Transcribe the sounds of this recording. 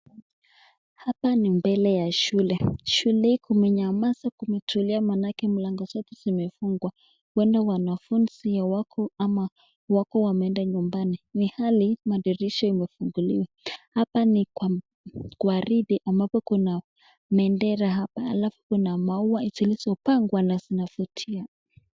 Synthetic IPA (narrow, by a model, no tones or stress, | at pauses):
hapanimbɛlɛjaʃulɛʃulɛhikumɛɲamasakumɛtʰuliamanakɛm̩laŋɡɔzɔtɛ̥zimɛfuŋɡwa | wɛndawanafunz̥ijawakʰɔama | wakɔwamɛɛndaɲumbaninihalimaɗiɾiʃɔimɛfuŋɡuliwa | hapanikwa | kwaɾiɗiʔambapɔkuna | mɛndɛɾaɦapa̰ːlafu̥kunamauwaitilizɔpaŋɡwanazinafutʰia